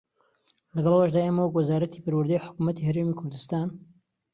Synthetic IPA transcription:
lɐɡɐlˠawaʒd̪aːʔeːmɐwɐkwɐzaːɾɐt̪ʰipɐɾwɨɾd̪ajħʊ̥kumɐt̪ihɐɾeːmikʰʊɾd̪ɨst̪aːn

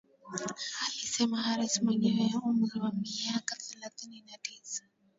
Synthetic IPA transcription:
halisɛmaɦaɾisimwɛɲɛwɛumɾiwamiakaθɛlaθininatisḁ

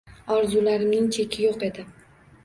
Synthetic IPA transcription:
ɒɾzulaɾɪmnɪŋt͡ʃʰe̞kʲʰɪjoqe̞d̪ɪ

